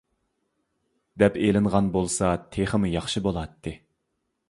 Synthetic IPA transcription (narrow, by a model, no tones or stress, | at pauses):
d̪ɛpelɪnʁɑnbolˠsɑt̪ʰeχəmujɑχʃibolˠɑt̪ʰːɨ